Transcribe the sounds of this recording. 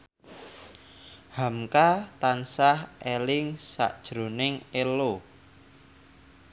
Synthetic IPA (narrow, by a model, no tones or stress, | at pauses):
hamkat̪ansahelɪŋsa̰ʔd̥ʒ̥ɾo̤nɪŋelo